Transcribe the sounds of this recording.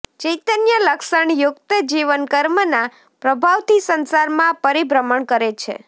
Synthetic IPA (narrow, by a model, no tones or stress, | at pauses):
t͡ʃəjt̪ənjələkʃəɳjʊkt̪əd͡ʒiʋənkəɾməna | pɾəbʱaʋt̪isənsaɾmãpəɾibɾəməɳkəɾet͡ʃʰḛ